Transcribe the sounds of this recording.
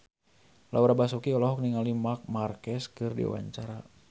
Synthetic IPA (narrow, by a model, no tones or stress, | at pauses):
lʔauɾabasukiɔlɔɦɔk̚niŋalimak̚markɛskɨrdḭwa̰ɲt͡ʃaɾa